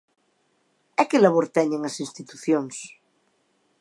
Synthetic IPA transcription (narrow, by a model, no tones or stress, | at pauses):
ɛkelaβ̞oɾt̪ɛɲeŋasinst̪it̪uθjoŋs